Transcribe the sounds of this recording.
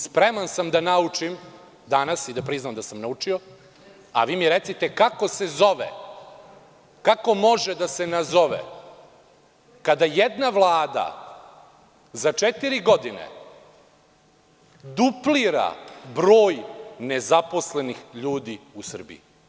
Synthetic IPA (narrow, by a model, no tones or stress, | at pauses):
spɾemansamd̪anaut͡ʂim | d̪anasid̪apɾiznamd̪asamnaut͡ʂio̞ | a̰ʋiːmiɾet̪sit̪ekako̞sezo̞ʋḛ | kako̞mo̞ʒed̪asenazo̞ʋḛ | kad̪ajed̪naʋlˠaːd̪a̰ | zat͡ʂet̪iɾiɡod̪inḛ | d̪upliɾa̰bɾo̞ːjnezapo̞slenixʎuːd̪iusr̩bḭi